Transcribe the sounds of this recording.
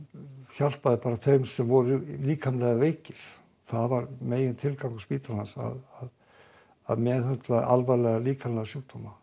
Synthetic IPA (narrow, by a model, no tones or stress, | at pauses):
çal̥paðɪpaːɾaθejmsɛmvɔɾʏliːkʰanlɛːɣavejcɪɾ̥ | θaðvaɾmeːjɪnt̪ʰɪlkawŋkʏspiːt̪aɾlansa̰ðað | a̰ðmɛðʏnt̪lað̰ʔa̰lvalɛɣaliːkʰanlɛɣasjuːwt̪ʰɔma